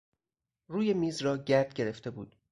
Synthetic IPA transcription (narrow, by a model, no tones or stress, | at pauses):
ruːje̞miːzɾɒːɟæɾd̪̥ɟe̞ɾe̞ft̪e̞buːd̪̥